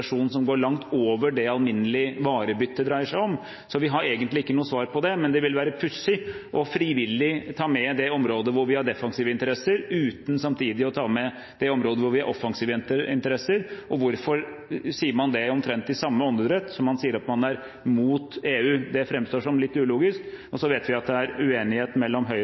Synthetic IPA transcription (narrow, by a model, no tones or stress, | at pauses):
ʂuːnn̩s̬ɔmɡoːɭɑŋt̪ʰoːʋəɖɛɑlmɪnːəlɪʋɑːɾəbʏt̪ːəd̪ɾæɪəʂæɪɔm | sɔʋɪɦɑɾeːɡənt̪lɪɪkːənuːəsʋɑːɾpʰɔd̪ɛmɛnd̪ɛʋɪlʋæːɾəpʰʉsːɪʔɔfɾiʋɪlːɪt̪ʰɑːmɛd̪ɛɔmɾoːd̪əʋʊɾʋɪhɑɖɛfɑŋsiːʋəɪnt̪əɾɛsːəɾʉːt̪n̩sɑmt̪ʰiːd̪ɪɔt̪ʰɑːmɛ | d̪̥ɛɔmɾoːd̪əʋʊɾʋɪhɑɾʔɔfːɑŋsiːʋənəɪnt̪əɾɛsːəɾʔɔʋʊɾfɔɾ | siːəɾmɑnd̪ɛɔmt̪ʰɾɛnt̪ːɪsɑmːəɔnd̪əd̪ɾɛt̪ːsɔmːɑnsiːəɾɑt̪mɑnæɾ | muːt̪eːʉːd̪ɛfɾɛmːst̪oːʂɔmlɪt̪ːʉːluːɡɪskɔsɔʋeːt̪ʋɪɑt̪̚d̪ɛæɾʉeːnɪheːt̪mɛlːɔmɦœʏ